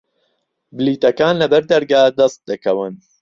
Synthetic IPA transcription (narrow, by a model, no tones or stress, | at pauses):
bɨliːt̪ɐkaːnlɐbɐɾd̪ɐɾɡaːd̪ɐst̪̚d̪ɨkɐwɨn